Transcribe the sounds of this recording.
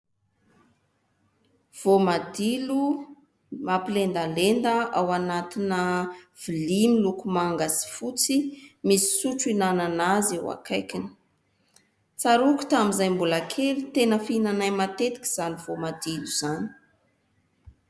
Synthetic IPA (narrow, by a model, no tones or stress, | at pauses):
v̥omad̪ilu | mapilend̪alend̪əʔawanat̪inəv̥ilimilukumaŋɡazi̥fut͡simisi̥suʈ͡ʂuinananazewa̰kʰajkinə̥ | t͡saɾukʲu̥t̪amizajmbulakʰelit̪enəfinanajmat̪et̪i̥kʲi̥z̥aniv̥omad̪iluz̥ani̥